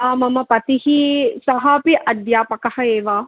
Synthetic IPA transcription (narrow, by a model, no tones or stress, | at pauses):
aːmɐmɐpɐt̪iɦisɐɦɐpiʔɐd̪jaːpɐkɐhɐeːʋa